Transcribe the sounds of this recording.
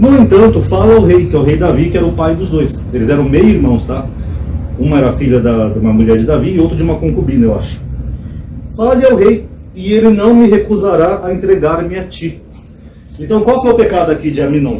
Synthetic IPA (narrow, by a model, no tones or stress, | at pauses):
nʊẽnt̪ɐ̃nt̪ʊfalɐaʊɦejkɪɛʊɦejd̪avikɪɛɾɐʊpajd̪ʊzd̪ojs | elɪzɛɾɐ̃w̃mejiɾmɐ̃w̃st̪a | ũmɐɛɾɐfiʎɐd̪ɐd̪ũmɐmuʎɛɾd͡ʒɪd̪aviɪowt̪ɾd͡ʒɪũmɐkõkubĩnɐewa̰ʃʊ̥ | falɐlɪawɦejɪelɪnɐ̃w̃mɪɦekuzaɾaːẽnt̪ɾeɡaɾmĩɐt͡ʃi | ẽnt̪ɐ̃w̃kwawfojʊpekad̪ʊakid͡ʒɪamĩnɐ̃w̃